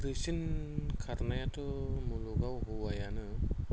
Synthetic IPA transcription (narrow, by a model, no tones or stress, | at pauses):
ɾɯsinkʰaɾnajatɯmuluɡawɦuwajanɯ